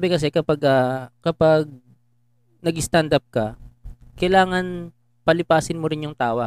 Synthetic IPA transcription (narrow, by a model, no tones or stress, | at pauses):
abɛkɐs̬ɛkɐpaɡʔakɐpaɡ̚ | nɐɡɪst̪and̪ɐp̚kɐkɐjlaːŋɐn | pɐlɪpaːsɪnmʊɾɪnjʊŋt̪aːwɐ